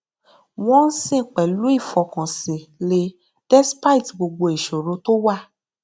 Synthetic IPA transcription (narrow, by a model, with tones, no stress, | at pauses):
w̃ɔ̃˦n̩˦sĩ˦˨k͡pɛ˨lu˨˦i˦˨fɔ˧kã˨sĩ˨le˧ | d̥ɛ˦spa˦i˨tɡ͡bo˧ɡ͡bo˧e˨ʃo˨ɾo˨˧to˦wa˦˨